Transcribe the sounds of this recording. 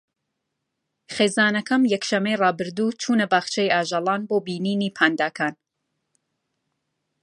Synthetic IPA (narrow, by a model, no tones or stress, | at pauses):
χeːzaːnɐkʰɐmjɛkʃɐmejrɑːbɨɾd̪uːt͡ʃʰuːnɐbaːχt͡ʃʰejaːʒɑlˠɑːnboːbiːniːniːpʰaːnd̪aːkʰaːn